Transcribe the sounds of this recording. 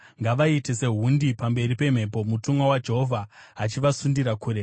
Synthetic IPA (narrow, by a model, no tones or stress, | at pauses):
ŋɡaʋaite̞se̞ɦundipambe̞ɾipe̞m̤e̞po̞mutumwawad͡ʒe̞ɦo̞vʱaːt͡ʃiʋasundiɾakuːɾe